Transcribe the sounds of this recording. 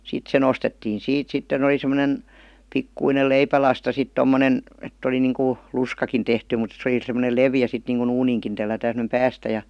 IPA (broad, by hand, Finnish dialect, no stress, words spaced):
sit se nostetːiːn̞ siːt sitːen ol̆i semə̆nen pikːuinel leipælɑstɑ sit tomːonen etː oli niŋku luskɑkin tehty mut se oli semˑonel leʋiæ sit niːŋkun̞ uːniːŋkin telːætæːn semə̆nem pæːstæ jɑ